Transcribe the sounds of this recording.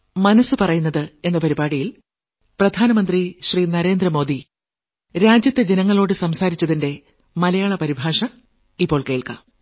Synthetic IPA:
mɐnɐsɨpɐrɐjunːɐðɨe̞nːɐpɐɾibaːɽijil | prɐd̪ʱaːnɐmɐnd̪riɕriːnɐɾe̞ːnd̪rɐmoːd̪i | ɾaːd͡ʑjɐt̪ːed͡ʑenɐŋːɐɭo̞ːɽɨsɐmsaːɾit͡ɕːɐðinde̞ | mɐlɐjaːɭɐpɐɾibʱaːʂɐ | ipːo̞ːɭke̞ːɭka̰m

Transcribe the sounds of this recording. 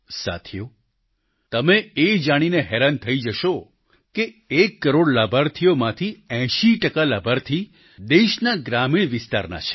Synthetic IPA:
sa̰t̪ʰijo | t̪əmeed͡ʒaɽ̃ineɦeɾant̪ʰəid͡ʒəʃo | keekːəɾoɽlabʱaɾt̪ʰijomãt̪ʰiɛ̃ʃiʈəkalabʱaɾt̪ʰi | d̪eʃnaɡɾamiɽ̃ʋɪst̪a̰ɾna̰t͡ʃʰe̥

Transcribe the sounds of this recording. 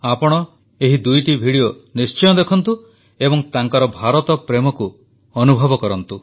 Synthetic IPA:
apɔɽ̃ɔ | eɦid̪ujʈibʱiɽionist͡ʃɔjɔd̪ekʰɔnt̪u | ebɔŋt̪aŋkɔɾɔbʱaɾɔt̪ɔpɾemɔku | ɔnubʱɔbɔkɔɾɔnt̪u

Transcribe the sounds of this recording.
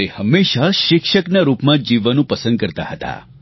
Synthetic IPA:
ehəmːeʃaʃɪkʃəknaɾupmãd͡ʒiʋanũpəsə̃nd̪̚kəɾt̪a̰ɦət̪a̰

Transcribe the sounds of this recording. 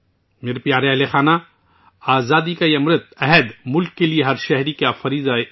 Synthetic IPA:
meːɾepijaːɾeɐɦlexaːna | aːzaːd̪ikajɐmɾɪt̪̚ɛɦɛd̪mʊlkːelieɦɐɾʃɛɦɾikafɐɾiːza

